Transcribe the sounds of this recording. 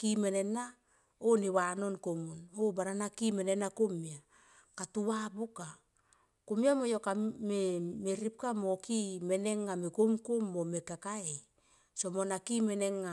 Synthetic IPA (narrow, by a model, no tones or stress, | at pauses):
kimene̞na | oniwano̞nkomunobaɾanakimene̞nakomia | katuwabuka | komiamojokamemeɾip̚kamokime̞ne̞ŋːamekomkomːomekakaej | somonakime̞neŋːa